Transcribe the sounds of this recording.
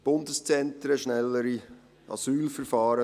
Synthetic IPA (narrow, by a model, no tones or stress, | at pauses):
b̥ʊndəst͡sɛntɾəʃnɛlːəɾi | ʔɑ̰syːlfəɾfɑːɾə